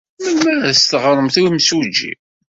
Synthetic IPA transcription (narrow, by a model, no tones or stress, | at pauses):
mənːæɾst̪əʁɾˤəmθiwimswud͡ʒːḭ